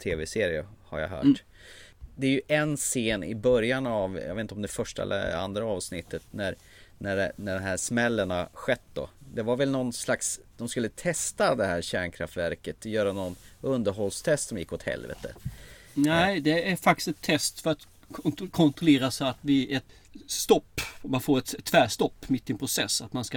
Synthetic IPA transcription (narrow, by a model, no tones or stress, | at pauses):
t̪ʰeːvɛseːɾɪəha̰ɾja̰ɦœ̰ːʈ | d̪ɛæɾjɵʔɛnseːnɪ̰bœɾjanavjɑ̰vet̪nɔmd̪ɛfœʂʈaɛ̰lːə̰a̰nd̪ɾaɑːvsnɪt̪ːət̪næɾ | næɖɛnæɖɔmɦæʂmɛlːəɳaɧɛt̪ːd̪ɔ̰d̪ɛvaɾvɛlnɔnslaksd̪ɔmskɵlːət̪ʰɛst̪ad̪ɛhæːɾɕæːɳkʰɾa̰ft̪væ̰ɾkət̪jœːɾanɔnɵnd̪əɾɦɔlst̪ʰɛst̪sɔmjɪ̰kːɔt̪hɛ̰lvɛ̰t̪ʰə̰ | nɛɪd̪ɛæɾfak̚t̪ɪ̥st̪ɛt̪ʰːɛst̪fœɾat̪ | kʰɔnt̪ɾʊleːɾasɛat̪vɪɛt̪ | st̪ɔpːmanfoːɾɛt̪ɛt̪ʰːvæːʂt̪ɔpːmɪt̪ːɪɛnpʰɾʊsɛsːat̪manska